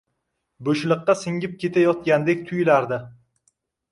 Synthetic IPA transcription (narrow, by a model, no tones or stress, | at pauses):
bɵʃlˠɨqːɑsɪŋʲɪp̚kʲe̞t̪ʰajɒt̪̚ɡʲand̪ekʲt̪ʰʊjlaɾd̪ɪ